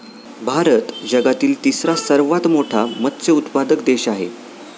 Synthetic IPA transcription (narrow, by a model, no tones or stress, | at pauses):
bʱaɾət̪d͡ʑəɡat̪iːlt̪isɾasəɾʋat̪moʈʰamət̪t͡seut̪pad̪əkd̪eɕaɦḛ